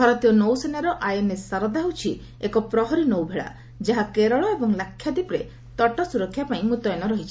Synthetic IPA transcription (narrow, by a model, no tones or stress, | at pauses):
bʱɔɾɔt̪ijɔnowsenaɾɔʔajɔnesaɾɔd̪aɦut͡ʃʰi | ekɔpɾɔɦɔɾinowbʱeɭa̰ | d͡ʒaɦakeɾɔɭɔebɔŋlakʰːjad̪ipɾe | t̪ɔʈɔsuɾɔkʰːjapaĩmut̪ɔjɔnɔɾɔɦit͡ʃʰi̥